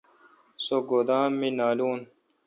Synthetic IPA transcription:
soɡoːd̪ãːmːinaːluːn

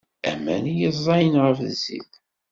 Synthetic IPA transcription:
æ̰mæ̰njəzˤːɑjənʁəfðzḭθ

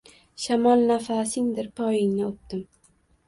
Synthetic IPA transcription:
ʃamɒlˠnafasɪŋd̪ɪɾpʰɒjɪŋnɪʊp̚d̪ɪm

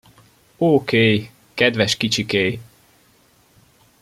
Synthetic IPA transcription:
oːkeːj | kɛd̪vɛʃkit͡ʃikeːj

